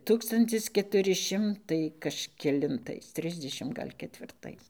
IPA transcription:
ˈtuːkstɐnʲtʲɪs kʲɛtʊˈrʲɪ ˈʃʲɪmtɐɪ kɐʃʲkʲɛlʲɪnˈtɐɪs ˈtʲrʲɪzʲdʲɛʃʲɪm ˈɡɐlʲ kʲɛtʲʋʲɪrˈtɐɪs

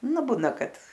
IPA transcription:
ˈnʊ ˈbuːnɐ ˈkɐt

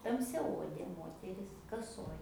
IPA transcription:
tɐmʲsʲɛˈoːdʲeː ˈmoːtʲɛrʲɪs kɐˈsoːj

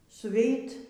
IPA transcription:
sʊˈʋʲɛɪt

